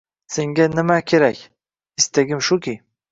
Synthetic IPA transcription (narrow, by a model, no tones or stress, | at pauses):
seŋɡʲanɪmakʲʰe̞ɾakʲ | ɪst̪aɡʲɪmʃʊkʲi